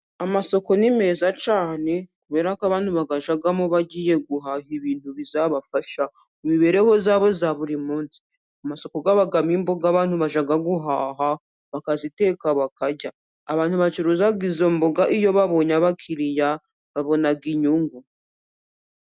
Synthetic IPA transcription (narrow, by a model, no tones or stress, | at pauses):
amaso̞ko̞nime̞zat͡ʃaːne̞kuβe̞ːɾakaβaːn̥huβaɡaʒaɡamoβaɟiːje̞ɡuɦahiβiːn̥huβizaβafaʃa | umiβe̞ɾe̞ho̞zaːβo̞zaβuɾimuːnsi̥ | amaso̞ko̞ɡaβaɡamimboɡaːβaːn̥huβaʒaɡaɡuɦaːɦa | βakazite̞ːkaβakaɟaː | βaːn̥huβat͡ʃuɾuzaɡizomboɡaʔijo̞βaβo̞ɲaβakʰiɾija | βaβo̞naɡiɲuːŋɡu